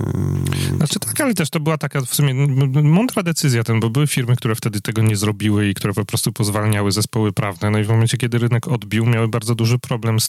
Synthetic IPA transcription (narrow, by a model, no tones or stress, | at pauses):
natt͡ʂɘt̪ʰḁkalɛt̪ɛʂt̪ɔbɘwat̪akafsumʲɛmɔnd̪ɾad̪ɛt̪sɘzʲjat̪ɛnbɔbɘwɘfʲiɾmɘkt̪uɾɛft̪ɛd̪ɘt̪ɛɡɔɲɛzɾɔbʲiwɘikt̪uɾɛpɔpɾɔst̪upɔzvalɲawɘzɛspɔwɘpɾavnɛnɔivmɔmɛnt͡ɕɛkʲjɛd̪ɘɾɘnɛkɔd̪bʲiwmʲjawɘbaɾd̪zɔd̪uʐɘpɾɔblɛms